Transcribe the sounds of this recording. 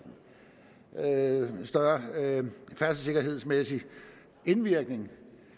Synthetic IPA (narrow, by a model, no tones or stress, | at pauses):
sd̥ɶɐ | fæɐsəse̝ɡ̥ɐɦe̝ð̰ˠsmesi | e̝nʋiɐɡ̥ne̝ŋ